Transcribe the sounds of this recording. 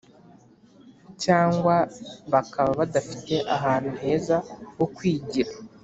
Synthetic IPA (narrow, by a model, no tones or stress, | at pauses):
caːŋɡwaβakaβaβadafi̥te̞ʔaɦaːn̥uɦe̞ːzawo̞kwiːɟiɾa